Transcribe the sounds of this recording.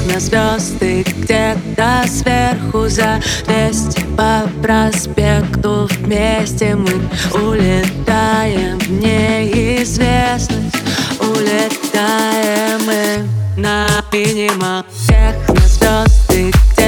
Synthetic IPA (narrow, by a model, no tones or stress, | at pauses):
nɐzvʲɔzt̪ɨdʲed̪ɐsvʲerxʊzɐvʲesʲtʲpɐpɾɐspʲekt̪ʊvmʲesʲtʲɪmɨʊlʲɪt̪ajɪmnʲeɪzvʲesnəsʲʊlʲɪt̪ajɛmɨnɐpʲinʲɪmə | sʲexnɐzvʲɔzt̪ɨ